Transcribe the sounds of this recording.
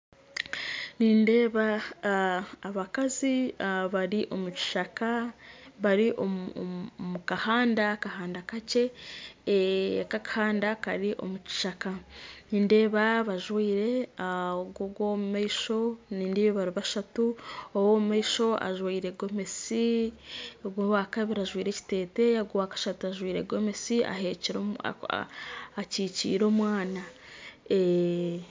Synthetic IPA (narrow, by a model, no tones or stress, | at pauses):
niːnde̞ːβa | βakaziβaɾiʔo̞muci̥ʃakaβaɾiʔo | mukahaːndakahaːndakace̞ | kakahaːndaka̰ɾiʔo̞̰muci̥ʃakaniːnde̞ːβaβaʒwiːɾe̞aoɡoɡwomumaiʃo̞niːndiβeβaɾuβaʃatuowomumaiʃo̞a̰ʒwiːɾe̞ɡo̞me̞si | ɡwakaβiɾaʒwiːɾe̞ci̥te̞ːte̞jaɡowakḁʃatuaʒwiːɾeɡome̞siʔa̰ɦeciɾ̰ | ciːcḭːɾo̞ːmwaːna | e